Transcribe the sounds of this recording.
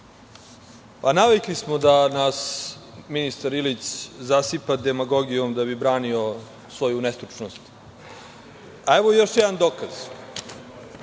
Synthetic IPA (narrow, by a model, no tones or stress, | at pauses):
panaʋiklismod̪anasminist̪aɾilit̪szasipad̪emaɡo̞ɡijomd̪abibɾaːnio̞ | sʋo̞junest̪ɾuʈ͡ʂnost̪ | aeʋojo̞ʃjɛd̪and̪oːkaz̥